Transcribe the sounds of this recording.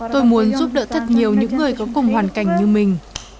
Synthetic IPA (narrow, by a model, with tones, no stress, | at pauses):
t̪o˧jmu˨˦ənzu˦˥p̚ɗə̰ː˧˥t̪ʰə˨˩t̚ɲi˨˩əwɲɨ̰˧˥ŋːɨ˨˩əjkɔ˨˦kʊ˨˩ŋ͡mɦwaː˨˩nka˧˩jŋ̟ɲɨ˧mï˨˩ŋ̟